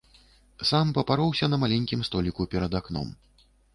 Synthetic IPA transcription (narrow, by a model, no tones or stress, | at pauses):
sampɐpaɾɔwsʲɐnɐmalʲɛnʲkʲimst̪ɔlʲikupʲɛɾɐd̪aknɔ̰m